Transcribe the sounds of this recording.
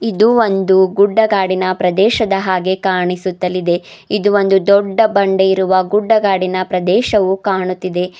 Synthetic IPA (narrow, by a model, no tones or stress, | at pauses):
id̪uond̪uɡuɖːɐɡaːɽinɐpɾɐd̪ɛːʃɐd̪ɐɦaːɡe̞kaːɳisut̪ːɐlːid̪e̞ | id̪uo̞nd̪ud̪ɔɖːɐbɐɳɖe̞iɾuʋɐɡuɖːɐɡaːɽinɐpɾɐd̪ɛːʃɐʋukaːɳut̪ːid̪e̞